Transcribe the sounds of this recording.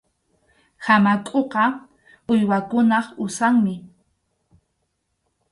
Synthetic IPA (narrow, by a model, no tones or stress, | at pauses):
hamakʼoqɑ | ʊjwakʊnɑχʊsaŋmɪ